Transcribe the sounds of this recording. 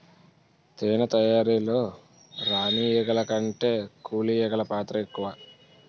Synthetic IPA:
t̪eːnɐt̪ɐjaːɾiːlo̞ː | ɾaːnijɛɡɐlɐkɐɳʈe̞ːkuːlijɛɡɐlɐpaːt̪ɾɐekːuʋaː

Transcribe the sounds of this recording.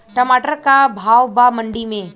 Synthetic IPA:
ʈəmaʈəɾkabʱawbaməɳɖimẽ

